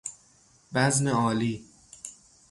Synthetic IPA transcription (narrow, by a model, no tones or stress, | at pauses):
bæzmeɒːliː